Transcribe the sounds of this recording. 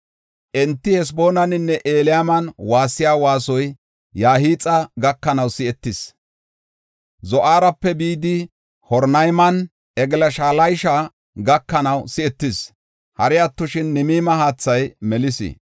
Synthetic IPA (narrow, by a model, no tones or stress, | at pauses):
ʔɛnt̪ːɪhɛs̬bo̞ːnɐnɪnːɛʔeːlɪjamɐnwaːsːɪjaːwaːsɔj | jaːɦiːt͡sʼɐɡɐkːɐnɐwsɪɛt̪ːɪs | zɔʔaːɾɐpːɛbiːd̪ɪ | hɔɾnɐjmɐn | ʔɛɡlɐʃaːlɐjʃa | ɡɐkːɐnɐwsɪɛt̪ːɪs | hɐɾɪɐt̪ːʊʃɪnːɪmiːmɐɦaːt͡sːɐjmɛlɪsɪ̰